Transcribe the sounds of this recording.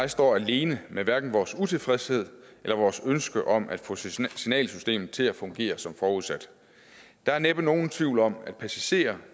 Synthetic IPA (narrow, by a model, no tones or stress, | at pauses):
ɑ̈ɪsd̥ɒ̰ːæle̝ːnəmeʋæɐɡ̥n̩ʋɒːsut͡sʰe̝fʁɛshe̝ð̞̰ˠelɐʋɒːsønsɡ̥əʔɒ̽m̰ʔæd̥fɔ̰̽sinɛ̰ːlsysd̥e̝̰ːmð̩ˠt͡sʰe̝læfɔ̽ŋɡ̥e̝̰ːɐsɒ̽mfɒːuð̞ˠsæd̥ | d̥ɑ̈æɐneb̥ɐno̝ːn̩t͡sʰʋiʊlɒ̽m̰æd̥̚pʰæsiɕe̝̰ːɐ